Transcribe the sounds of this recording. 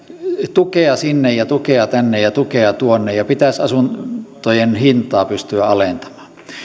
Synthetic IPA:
t̪ukeɑsinːejjɑt̪ukeɑt̪ænːejjɑt̪ukeɑt̪uonːejjɑpit̪æsɑsunt̪ojenhint̪ɑːpyst̪yæɑlent̪ɑ̥mɑ̥ː

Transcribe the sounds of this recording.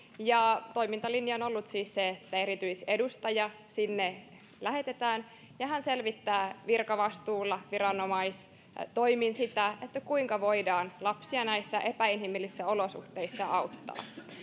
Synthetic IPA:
jɑt̪o̞imint̪ɑlinjɑono̞lːut̪siːsseet̪ːæeɾit̪yisedust̪ɑjɑ | sinːe | læhe̞t̪et̪æːn | jɑɦænselʋit̪ːæːʋirkɑʋɑst̪uːlːɑʋiɾɑno̞mɑis | t̪oiminsit̪æet̪ːækuiŋkɑʋo̞idɑːnlɑpsiɑnæisːæʔe̞pæinhimilːisːæo̞losṵht̪eisːɑɑut̪ːɑ̰ː

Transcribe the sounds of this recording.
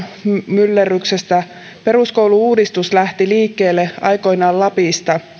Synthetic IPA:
mylːeryksest̪æ | pe̞ruskouwluuːdist̪uslæht̪iliːkːe̞ːlːeʔɑjko̞jnɑːllɑpist̪ɑ

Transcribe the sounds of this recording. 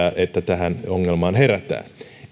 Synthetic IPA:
æːʔet̪ːæt̪æhænoŋːelmɑːnheræt̪ːæ̰ː

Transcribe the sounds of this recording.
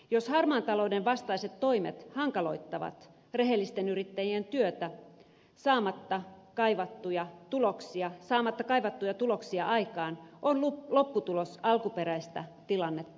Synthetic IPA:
joshɑrmɑːnt̪ɑlo̞udeʋʋɑst̪ɑiset̪to̞imḛt̪hɑŋkɑlo̞̰it̪ːɑʋɑ̰t̪ | re̞ɦelːist̪enyɾit̪ːæjient̪yøt̪æ | sɑːmɑt̪ːɑkɑiʋɑt̪ːujɑt̪uloksiɑsɑːmɑt̪ːɑkɑiʋɑt̪ːujɑt̪ulo̞ksiɑʔɑikɑːnʔonlulo̞pːut̪ulosɑlkupeɾæist̪ɑt̪ilɑnːet̪ː

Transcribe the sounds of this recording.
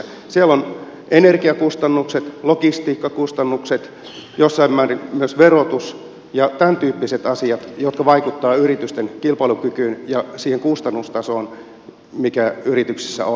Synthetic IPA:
siælon | ʔenerɡiɑkust̪ɑnːukset̪lokist̪iːkːɑkust̪ɑnːukset̪ | josːɑimmæːrimyøsʋerot̪us | jɑt̪ænt̪yːpːiset̪ɑsiɑt̪jot̪kɑʋɑikut̪ːɑːyrit̪yst̪eŋkilpɑlukykyːnjɑsiːheŋkust̪ɑnːust̪ɑsoːn | mikæyrit̪yksi̥sːæ̰o

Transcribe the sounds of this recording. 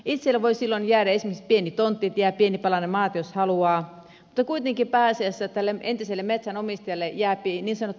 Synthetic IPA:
it̪selːeʋoisilːonjæːɾæesmesit̪̚pienit̪ont̪ːˑiet̪jæːpienipɑlɑnemɑːt̪joshɑluɑː | mut̪ːɑkuit̪eŋkipæːseæsːæt̪ælːeent̪iselːemet̪sænomist̪ɑjɑlːejæːpiniːnsɑnot̪ː

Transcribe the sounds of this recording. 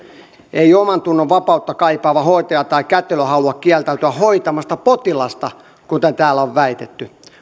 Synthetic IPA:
eiomɑnt̪unːoʋʋɑpɑut̪ːɑkɑipɑːʋɑhoit̪ɑjɑt̪ɑikæt̪ːeløhɑuuɑkkiælt̪æyt̪yæhoit̪ɑmɑst̪ɑpot̪ilɑst̪ɑ | kut̪ent̪æːloʋʋæit̪et̪ːy

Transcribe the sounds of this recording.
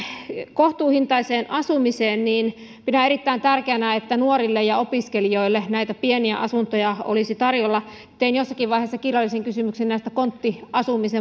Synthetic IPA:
koht̪uːhint̪ɑiseːnʔɑsumiseːnniːn | minæeɾit̪ːæint̪ærkeænæet̪ːænuorilːejɑopiskelioilːenæit̪æpieniæ̰ʔɑ̰sunt̪ojɑo̰lisit̪ɑrjolːɑ | et̪ːeinjosːɑkiʋɑiheˑːsːɑkirjɑlːiseŋkysymyksennæˑist̪ækont̪ːiʔɑsumise

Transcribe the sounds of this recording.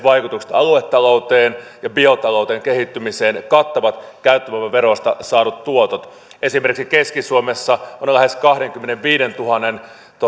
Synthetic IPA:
ʋɑjkut̪ukse̥t̪ɑluet̪ːɑlo̞wt̪eːnjɑbio̞t̪ɑlout̪eːŋkehit̪ːymiseːnkɑt̪ːoʋɑt̪kæyt̪ːæmæʋæʋeɾost̪ɑsɑːɾut̪t̪uot̪ot̪ | ʔe̞simerkiksikeskisuomesːɑonlæheskɑhdeŋkymːeneʋʋiːdent̪uɦɑnːen | t̪o

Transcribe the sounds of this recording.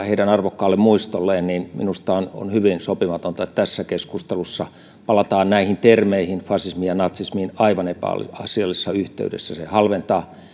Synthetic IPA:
heidɾænɑrʋokːɑːlːemmuist̪olːeːnninmḭnust̪ɑono̰nhyʋinsopimɑt̪ont̪ɑet̪t̪æsːækeskust̪elusːɑ | pɑlɑt̪ɑːnnæihint̪ermeihinfɑsismijɑnɑt̪sismiːnɑiʋɑnepæ̰ːlḭɑsiɑlːisːɑyht̪ḛydḛsːæsehɑlʋent̪ɑː

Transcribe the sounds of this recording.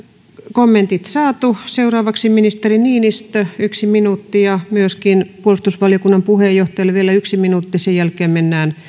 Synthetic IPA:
komːent̪it̪sɑːt̪useurɑːʋɑksiminist̪eriniːnist̪øyksiminuːt̪ːijɑmyøskinpuolust̪usʋɑliokunːɑmpuhejjoht̪ɑjɑlːʋielæyksiminuːt̪ːisejjælkeːmmenːæːn

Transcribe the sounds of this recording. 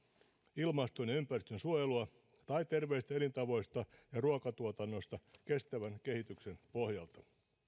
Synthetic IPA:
ilmɑst̪onjɑympærist̪ønsuojeluɑ | t̪ɑjt̪e̞rʋeist̪æelint̪ɑʋo̞jst̪ɑjɑruɑkɑt̪uot̪ɑnːo̞st̪ɑke̞st̪æʋænke̞hit̪ykse̞npo̞hjɑlt̪ɑ

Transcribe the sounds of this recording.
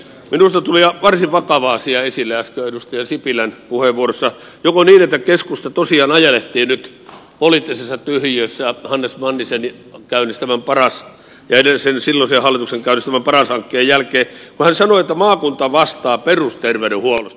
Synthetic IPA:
minust̪ɑt̪uliɑʋɑrsiʋʋɑkɑʋɑːsiɑesilːææskøedust̪ɑjɑsipilænpuheʋʋuorosːɑ | jokoniːnet̪ːækeskust̪ɑt̪osiɑːnɑjeleht̪iːnnyt̪ | polit̪ːisesːɑt̪yhjøsːæhɑnːesmɑnːiseni | kæˑynist̪æmæmpɑrɑs | jɑenesensilːonsehɑlːit̪ukseŋkæˑynist̪æmæmpɑrɑshɑŋkːeːjjælkˑeːkuhænsɑnoet̪ːæmɑːkunt̪ɑʋɑst̪ɑːperust̪erʋeyɾehuolos

